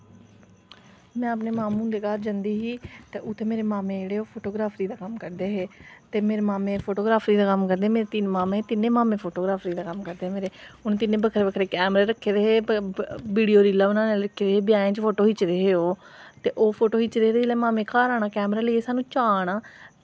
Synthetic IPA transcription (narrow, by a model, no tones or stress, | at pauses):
mɛ̃ːəpneːmaːmũːnd̪eːkaːɾd͡ʒãːnd̪iːɦiːt̪eːʊt̪ʰːeːmeːɾeːmaːmẽːd͡ʒeːɽeːoːpʰoːʈoːɡɾaːpʰɾiːd̪aːkəmkəɾd̪eːɦeːt̪eːmeːɾeːmaːmẽːpʰoːʈoːɡɾaːpʰɾiːd̪aːkəmkəɾd̪eːmeːɾeːt̪inmaːmẽːeːt̪ɪnːẽːmaːmẽːpʰoːʈoːɡɾaːpʰɾiːd̪aːkəmkəɾd̪eːmeːɾeːʊnt̪ɪnːẽːbəkʰɾeːbəkʰɾeːkɛːmɾeːɾəkʰːeːd̪eːɦeː | biːɽijoːɾiːlaːʊnãːneːɾəkʰːeːdeeːbɪjãːẽːt͡ʃpʰoːʈoːɦɪt͡ʃɾeːɦeːoː | t̪eːʔoːpʰoːʈoːɦɪt͡ʃɾeːɾeleːmaːmẽːkʰaːɾaːɽ̃aːkɛːmɾaːləieːsaːnũːt͡ʃaːɽ̃aː